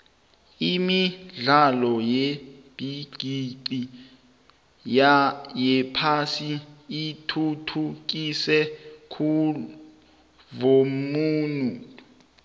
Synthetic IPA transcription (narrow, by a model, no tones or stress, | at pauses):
imiɮalɔjeb̥ʱiɡ̥ʱiǀi | ajɛpʰasiitʰutʰuk̬isɛkʰu | vomuːnu